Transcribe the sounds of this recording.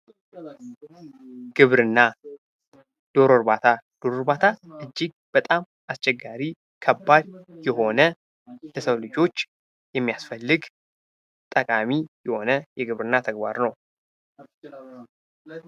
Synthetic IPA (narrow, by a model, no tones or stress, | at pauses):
ɡ̥ɨβɾɨnːa | d̪̥o̞ɾoɾbat̪ʰad̪̥o̞ɾoɾbat̪ʰaɨd͡ʒːiɡ̚ | b̥ət̪ʼam | ʔast͡ʃʼɛɡːaɾi | kʰəbːad̪jɛho̞nə | ləsəwlɨd͡ʒo̞t͡ʃː | jɛmːijasfəlːɨɡ | t̪ʼəkʼamijɛho̞nəjɛɡɨβɾɨnːat̪ʰəɡba̰ɾnəw